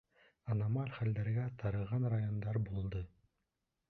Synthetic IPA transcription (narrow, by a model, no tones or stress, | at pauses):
ɑnɑmɑlʲχæld̪æɾɡæt̪ʰɑɾɤ̆ʁɑnrajond̪ɑɾbulˠd̪ɤ